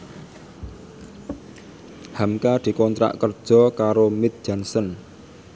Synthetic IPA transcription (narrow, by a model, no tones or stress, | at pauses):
hamkad̪̥i̤kɔnt̪ɾa̰ʔkərd̥ʒ̥ɔ̤kaɾomɪt̪̚d̥d͡ʒ̥a̤nsən